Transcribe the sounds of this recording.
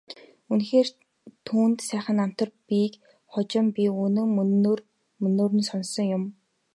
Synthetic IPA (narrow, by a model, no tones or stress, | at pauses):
unxeːr | t̪ʰuːnt̪sæːχə̆nam̥t̪ə̆rpik | χʊt͡ɕɪ̆mpʲiunɵ̆ŋːr | mɵnːoːɾɘ̆nsɔnsɞ̆ŋjʊm